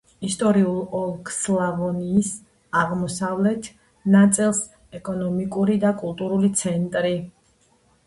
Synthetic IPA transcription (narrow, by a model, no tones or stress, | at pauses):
ist̪ʼɔɾiulˠɔlˠkʰslavɔniːs | aʁmɔsavlɛt̪ʰ | nat̪sʼilˠs | ɛkʼɔnɔmikʼuɾid̪akʼulˠt̪ʼuɾulit̪sʰɛnt̪ʼɾi